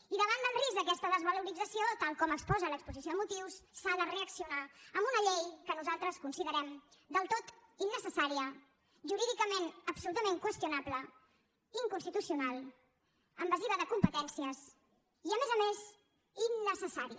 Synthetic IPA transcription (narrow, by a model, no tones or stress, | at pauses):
iðəβ̞and̪ənrizəkɛst̪əðəzβəluɾid͡zəsiot̪alˠkɔməkspɔzələkspuzisjomut̪iwsːaðəreəksiunaəmbunəʎejkənuzalˠt̪ɾəskunsiðəɾɛmd̪əlˠt̪ot̪inːəsəsaɾiə | ʒuɾiðikəmenəpsulut̪əmeŋkwəst̪junaplə | iŋkunst̪it̪usiunalˠ | əmbəziβəðəkumpət̪ɛnsiəs | iəmezəmez | inːəsəsaɾiə